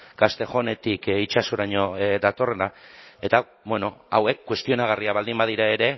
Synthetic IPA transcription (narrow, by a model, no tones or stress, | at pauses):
ɡast̪e̞xo̞ne̞t̪ikit͡ʃasoɾaɲo̞d̪at̪o̞re̞nae̞t̪a | bwe̞no̞awe̞kːwe̞st̪io̞naɣ̞ariaβald̪imbað̞iɾae̞ɾe̞